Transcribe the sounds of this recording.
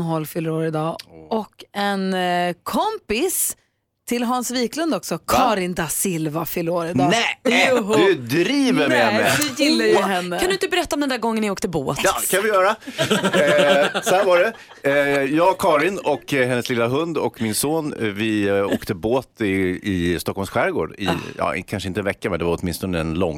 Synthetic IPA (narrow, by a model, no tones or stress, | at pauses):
ɦɔlːfʏlːɾoːɾɪd̪ɑːɔkːɛnkʰɔmpɪs | t̪ʰɪlɦɑnsviːklɵnd̪ɔksɔkʰɑːɾɪnd̪asɪlvafʏlːɾoːɾɪd̪ɑːɛ | d̪ɵd̪ɾiːvəɾɛmɛd̪ɪjɪlːajəɦɛnːəand̪ɵɪnt̪əbɛɾɛt̪ːaɔmd̪ɛnæɾɡɔŋːənɪoːkt̪əbo̰ːt̪ɑd̪ɛkʰanvɪjœːɾa | sɔhæɾvaɖɛ | jɑːɡkʰɑːɾɪnɔkːɦɛnːəslɪlːaɦɵnd̪ɔ̰kmɪnsoːnvɪoːkt̪əboːt̪ɪɪst̪ɔkːɔlmsɧæɾɡo̰ːɖɪ̰jɑ̰ɪ̰kʰanʂəɪnt̪əɛnvɛkːamɛd̪ɛvaɾɔt̪mɪnst̪ɔnəɛnlɔ̰ŋː